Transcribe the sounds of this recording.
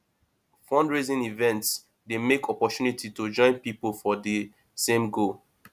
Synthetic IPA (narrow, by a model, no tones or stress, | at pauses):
fɔ̃ndɹezĩnivɛ̃nts | demekʰɔpɔtjunitʰitod͡ʒɔ̃ɪ̃npipofɔdi | sẽmɡo